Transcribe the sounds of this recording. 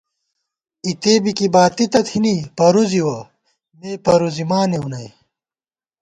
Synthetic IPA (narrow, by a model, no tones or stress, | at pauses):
it̪eːbikibaːt̪it̪ɐt̪hinipɐɾuziwɐ | meːpɐɾuzimaːneunɐj